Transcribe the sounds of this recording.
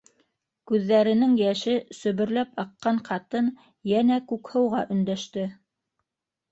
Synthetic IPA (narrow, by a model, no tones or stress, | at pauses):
kʉðːæɾɘ̆nɘŋjæʃɘsɵ̆βɵ̆ɾlæpɑqːɑɴqɑt̪ɤn | jænækʉkhɤ̆wʁɑʔɵ̆nd̪æʃt̪ɘ